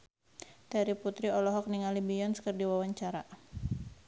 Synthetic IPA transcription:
daɾiput̪ɾiɔlɔɦɔk̚niŋalibiɔnskərdiwawaɲt͡ʃaɾa

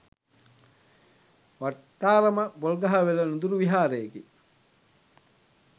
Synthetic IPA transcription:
ʋaʈːaːɾɐməbolɡɐɦɐʋelɐnud̪uɾuʋiɦaːɾeeki

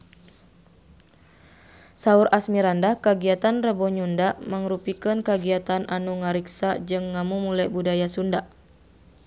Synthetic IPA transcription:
sauɾʔasmiɾandahkaɡiat̪anrəbɔɲundaʔməŋɾupikənkaɡiat̪anʔanuŋaɾiksad͡ʒɨŋːamumulabudajasundaʔ

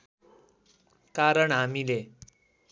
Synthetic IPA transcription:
kaɾəɳɦamile

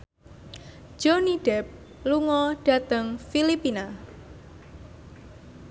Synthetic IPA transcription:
d͡ʒ̥oniɖ̥ɛp̚ | luŋɔɖ̥a̤t̪əŋfilipina

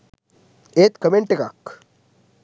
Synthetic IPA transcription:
et̪kəmeɳʈekak

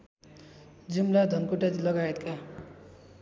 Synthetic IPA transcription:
d͡zumlad̪ʱʌnkuʈatilʌɡaet̪̚ka

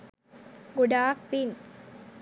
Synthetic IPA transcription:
ɡuɖaːpːin

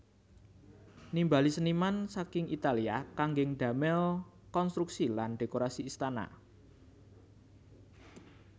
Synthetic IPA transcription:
nimbalisənimansakɪŋit̪aliakaŋɡɪŋɖ̪̥ä̤mɛl | kɔnst̪ɾuksilanɖ̥e̤koɾasiːst̪ana̰

